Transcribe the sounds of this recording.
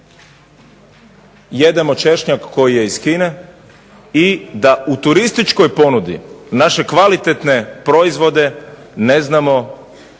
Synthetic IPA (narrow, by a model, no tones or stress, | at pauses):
je̞d̪e̞mo̞t͡ʃe̞ʃɲakːo̞jije̞iskine̞ | id̪aut̪uɾist̪it͡ʃko̞jpo̞nud̪ḭnaʃe̞kʋalit̪et̪ne̞pɾo̞izʋo̞d̪e̞ | ne̞znamo̞